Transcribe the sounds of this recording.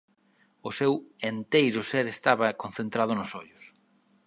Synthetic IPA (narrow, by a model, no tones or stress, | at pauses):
ʊsewent̪ejɾʊseɾest̪aβɐkonθent̪ɾað̞ʊnʊsoʎʊs